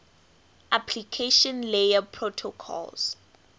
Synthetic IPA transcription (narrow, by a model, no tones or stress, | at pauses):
ʔapʰlikʰeʃɔ̃nlejapʰɹotʰɔkʰɔ̰lz̥